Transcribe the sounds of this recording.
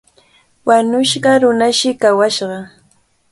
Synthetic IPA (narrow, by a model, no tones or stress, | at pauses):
wanʊʃɢɑɾʊnaʃɪkawaʃɢɑ